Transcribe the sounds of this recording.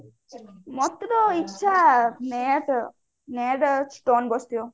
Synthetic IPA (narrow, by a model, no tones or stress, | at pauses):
mɔt̪ːɐd̪oːiːʃʰameːʈ | neːʈsʈoːnbost̪ijo